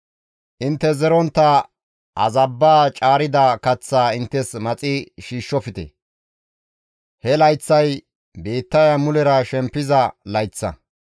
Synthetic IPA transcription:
ʔɪnt̪ːɛzɛɾɔnt̪ːɐ | ɐ̰zɐbːaːt͡ʃʼaːɾɪd̪ɐkɐt͡sːaːɪnt̪ːɛsmɐt͡sʼɪʃiːʃːɔfɪt̪ɛ̰ | hɛlɐjt͡sːɐj | be̞ːt̪ːɐjɐmʊlɛɾɐʃɛmpːɪzɐlɐjt͡sːɐ̰

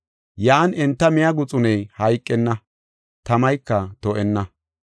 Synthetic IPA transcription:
jaːnɛnt̪ːɐmɪjɐɡʊt͡sʼʊnɛjhɐjkʼːɛnːɐ | t̪ɐmɐjkːɐt̪ɔʔɛnːɐ

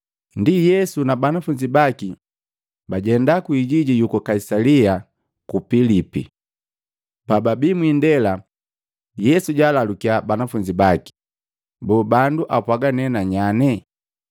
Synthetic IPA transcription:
ndijɛsunabanafuɲd͡ʒibaki | baɟɛndakuiɟiɟijukɔkaisalia | kupilipḭ | pababimwindɛla | jɛsuɟaːlalukiabanafuɲd͡ʒibaki̥ | bɔːbanduʔapwaɡanɛnaɲanɛ

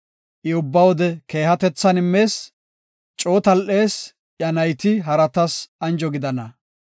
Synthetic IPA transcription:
ʔɪʊbːɐwɔd̪ɛke̞ːɦɐt̪ɛt͡sːɐnɪmːe̞ːs | t͡ʃʼoːt̪ɐlʔe̞ːs | ʔjɐnɐjt̪ɪɦɐɾɐt̪ɐsɐnd͡ʒɔɡɪd̪ɐnɐ

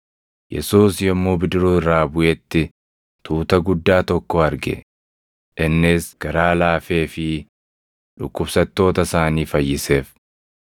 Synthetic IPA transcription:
jɛ̰suːsjɐmːoːbɪd̪ɪɾuːrɾːaːbʊʔɛt̪ːɪ | t̪ʰuːt̪ɐɡʊd̪ːaːt̪ɔkːɔɐɾɡɛ̰ | ʔɪnːɪsɡ̥ɐɾaːlaːfe̞ːfɪ | ᶑʊkːʊb̥sɐt̪ːo̞ːt̪ɐsaːniːfɐjːɪse̞ːf

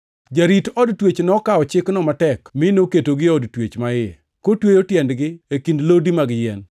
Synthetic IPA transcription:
d͡ʒaɾitɔdtwet͡ʃnɔkaɔt͡ʃɪknɔmatɛkmɪnoketoɡɪɔdtwet͡ʃmaɪ | kotwejotjɛndɡɪekindlodimaɡɪjɛn

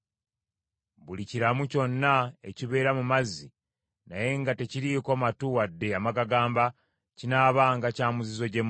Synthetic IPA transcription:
βuliciɾamuco̞nːae̞̰ciβe̞ːɾamumazːi | na̰je̞ŋɡate̞ciɾikomatuwadːe̞amaɡaɡaːmba | cinaːβaŋɡacaːmuzizo̞ɟem

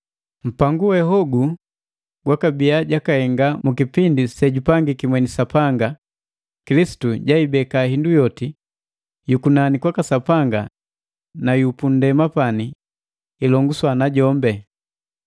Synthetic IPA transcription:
m̩paŋɡuwɛɦɔɡu | ɡwakabiaɟakahɛŋɡamukipindisɛɟupaŋɡikimwɛnisapaŋɡa | kilisi̥tuɟaibɛkahindujɔti | jukunanikwakasapaŋɡa̰ | najupun̩dɛmapaniː | lɔŋɡuswanaɟɔmbɛ

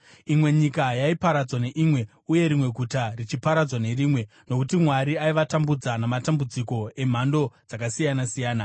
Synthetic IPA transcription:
imwe̞ɲikajaipaɾad͡zwane̞ʔimwe̞ | uje̞ɾimwe̞ɡʱutarit͡ʃipaɾad͡zwane̞riːmwe̞ | no̞kutimwaɾiaiʋatambud͡zanamatambud͡ziko̞e̞m̤ando̞d͡zakasijanasijaːna

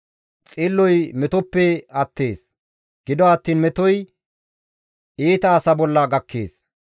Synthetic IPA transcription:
t͡sʼɪlːɔjmɛt̪ɔpːɛɐt̪ːe̞ːs | ɡ̥ɪd̪ɔɐt̪ːiːnmɛt̪ɔj | eːt̪ɐːsɐbɔlːɐɡɐkːḛːs

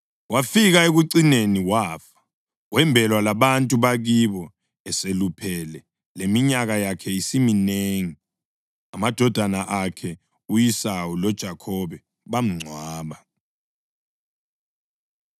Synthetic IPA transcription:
wʔafik̬aek̬uǀineniwaːfḁ | wɛmbʱɛlwalaɓantʼuɓak̬iɓɔ | ɛselupʰɛlɛ | lemiɲak̬ajakʰɛisimineːŋi | amad̥ʱɔd̥ʱanaʔakʰɛ | ujisawulɔd̥ʒ̥ʱakʰɔɓɛ | ɓam̩ŋ͡ǀʱwaːɓa

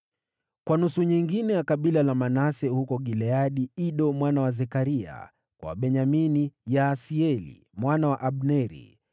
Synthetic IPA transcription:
kwanusuɲiŋɡinɛjakaɓilalamanasɛhukɔɠilɛaɗiiɗɔmwanawazɛkaɾia̰ | kwa̰ɓɛɲaminijasiɛlḭ | mwanawaʔaɓnɛɾḭ

